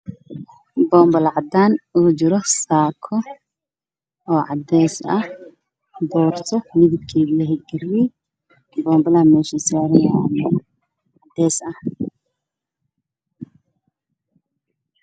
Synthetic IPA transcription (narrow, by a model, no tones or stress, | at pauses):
bɔːmbɐlʕɑd̪aːnut͡ʃɪɾɔsaːkʰɔ | ɔːʕɑd̪ɛːsɐh | bɔːrt̪ʰɔmɪðɪb̚kʰɛːðilɐɦɛɡɪri | bɔːmbɐlɐɐmɛːʃɐsaːɾɛjamɛ | ʕɑd̪ɛːsɐh